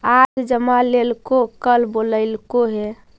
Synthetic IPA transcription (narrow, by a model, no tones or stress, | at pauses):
ad͡ʒd͡ʒəmalelkokəlboləɪlkoɦe